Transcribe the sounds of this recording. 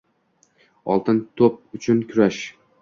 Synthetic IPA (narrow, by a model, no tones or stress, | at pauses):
ɒ̰lˠt̪ɪnt̪ʰop̚ʊt͡ʃʰʊnkʲʰʊɾaʃ